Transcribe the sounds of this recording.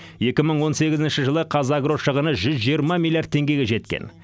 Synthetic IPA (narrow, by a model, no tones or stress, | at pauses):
je̞kʲɪməɴwo̞nse̞ɡʲɪzɪnʃɪʒəlˠəqʰɑzɑɡro̞ʃəʁənəʒʏzʒijəɾmɑmʲilˠijard̪̚t̪ʰe̞ŋɡʲe̞ɡʲe̞ʒe̞t̪kʲḛn